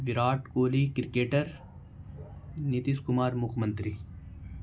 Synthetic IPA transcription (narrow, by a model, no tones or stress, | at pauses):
ʋiɾaːʈkoːliːkɪɾkeːʈəɾ | nit̪iskʊmaːɾmʊkʰmɐnt̪ɾi